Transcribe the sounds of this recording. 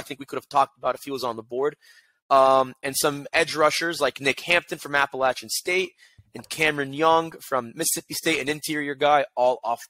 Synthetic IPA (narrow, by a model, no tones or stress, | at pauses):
ɪθɪ̃ŋkwikʰʊɾɨv̥tʰɔk̚təbaʊɾəfjilˠzn̩ðəbɔɹɾ | ʌ̃mɨ̃nsʌ̃mɛd͡ʒɹʌʃə˞zlaɪknɪkhæ̃mp̚tɨ̃nfɹʌ̃mæpəlˠæt͡ʃɨ̃nsteɪɾ | ɨ̃nkʰæ̃mɹɨ̃njʌ̃ŋfɹʌ̃mːɨsɨsɪpisteɪɾɨ̃nɨ̃ntʰɪɹiə˞ɡaɪɔlˠɔf